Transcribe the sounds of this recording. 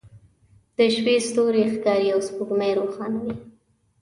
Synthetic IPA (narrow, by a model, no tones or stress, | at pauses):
d̪̥əʃpest̪oɾexkɑɾijawspuɡmajɾoxɑnawi